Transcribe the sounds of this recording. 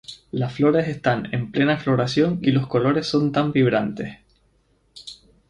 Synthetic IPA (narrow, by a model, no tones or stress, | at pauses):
lasflo̞ɾe̞se̞st̪ane̞̰mple̞naflo̞ɾasjo̞nilo̞sko̞lo̞ɾe̞sːo̞nt̪ambiβ̞ɾant̪e̞s